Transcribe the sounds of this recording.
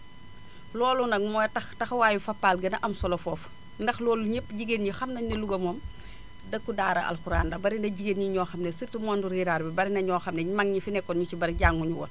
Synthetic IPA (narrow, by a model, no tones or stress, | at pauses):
lɔːlunɐmɔːjtɐxtɐxwaːjufɐpːaːlɡɐnɐʔɐmsɔlɔfɔːf | ndɐxlɔːluɲepːɟiɡenɲixɐmnɐɲnɐluɡɐmɔːm | dɐkːudaːɾɐʔɐ̰lxuɾa̰ːndɐbɐɾindɐɟiɡenɲiɲɔːxɐmnesirtimɔːnduɾiːɾaːɾbibɐɾinɐɲɔːxɐmnɛɲmaŋɲifinɛkːɔnɲucibɐɾiɟaːŋːuɲuwɔ̰r